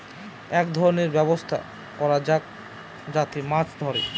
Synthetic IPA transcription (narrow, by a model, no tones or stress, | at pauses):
ɛkd̪ʱɔɾoneɾbɛbost̪ʰa̰ | kɔɾad͡ʑa | d͡ʑat̪imat͡ɕd̪ʱɔɾḛ